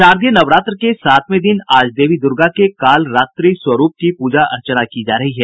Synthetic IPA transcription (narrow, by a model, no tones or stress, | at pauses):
ʃaːɾd̪jənɐʋɾaːt̪ɾkesaːt̪ʰmẽd̪ɪnaːd͡ʒd̪eːʋid̪ʊɾɡakekaːlɾaːt̪ɾiːswɐɾuːp̚kipuːd͡ʒaʔɐ̰ɾt͡ʃənakid͡ʒaːɾɐɦiɦɛː